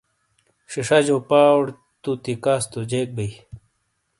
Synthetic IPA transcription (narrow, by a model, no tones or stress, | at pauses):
ʂiʂɐd͡ʑoːpaːɽ | t̪ut̪ikaːst̪od͡ʑeːk̚bei